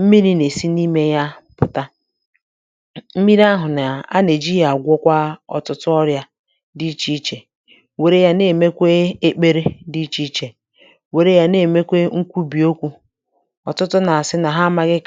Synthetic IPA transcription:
m̩˦mi˦ɾi˦ne˨si˦ni˦me˦ja˦pʊ˨ta˦ | m̩˦mi˦ɾa˦ɦʊ˨na˨a̰˦ne˨d͡ʒi˦ja˨ɡʷɔ˦kʷa˦ɔ̰˨tʊ˦tʊ˦ɔ˦ɾja˦ | di˦t͡ʃi˦t͡ʃe˨ | we˨ɾe˦ja˦ne˨me˦kʷe˦e˦k͡pe˦ɾe˦di˦t͡ʃi˦t͡ʃe˨ | we˨ɾe˦ja˦ne˨me˦kʷe˦ŋ̩˦kʷu˦bi˨o˦kʷu˦ | ɔ˨tʊ˦tʊ˦na˨a˨sɪ˦na˨ɦa˦ma˦ɡɪ˦k

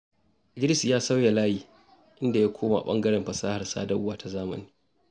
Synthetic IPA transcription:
ɪ˨ɡɪ˦ɾɪ˦sjaː˦sa˦wja˨laː˦jiː˨ | ʔɪ˦nda˨ja˦kʷoː˦ma̰˨ɓɐ̰˦ŋɡɐ˦ɽɛ˨mɸɐ˨saː˦ha˨rsa̰ː˦dɐ˦ʔʊ˦waː˨ta˨zaː˦mɐ̰˨niː˦

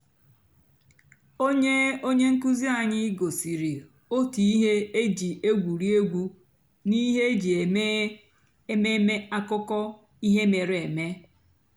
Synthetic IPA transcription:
o˦ɲe˦o˦ɲe˦ŋ̩˦ku˦zi˦a˨ɲɪ˦ɡo˨si˨ɾi˨ | o˦ti˨i˦ɦe˦e˦d͡ʒi˨e˦ɡʷu˨ɾi˦e˦ɡʷu˦ | ni˦ɦe˦e˦d͡ʒi˨e˨me˦ | e˦me˦me˦a˦kʊ˦kɔ˦ | i˦ɦe˦me˨ɾe˨me˦

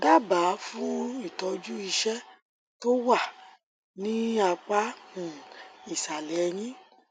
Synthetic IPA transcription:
da˦ba˨˦fũ˦i˦˨tɔ˨˧d͡ʒu˦i˧ʃɛ˦ | to˦wa˦˨ | nĩ˦a˧k͡pa˨˦mũ˦˨i˨sa˨lɛ˨˦j̃ĩ˦

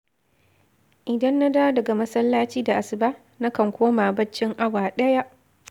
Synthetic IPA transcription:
ʔɪ˨dɐ˦nːa˦daː˦dɐ˨ɡa˨mɐ˦sɐ˦lːaː˦t͡ʃiː˦da˨ʔa˨sɪ˨baː˦ | na˦kɐ˨ŋkʷoː˦maː˨bɐ˦t͡ʃːɪ˦ŋʔa˦waː˨ɗɐ˦ja˦ʔ

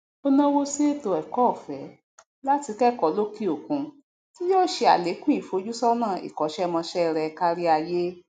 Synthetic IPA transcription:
o˧nã˦wo˦se˦to˧ɛ˨kɔ˦˨fɛ˨˦ | la˦ti˧kɛ˦kɔ˨˦lo˦ki˦o˨kũ˧ | ti˦jɔ˦˨ʃe˧a̰˨le˨˦kũ˦i˦˨fo˧˦d͡ʒu˦sɔ˦nãː˦˨ḭ˨kɔ˨˦ʃɛ˦˧mã˧ʃɛ˦˧ɾɛ˧ka˧ɾi˦a˧je˦

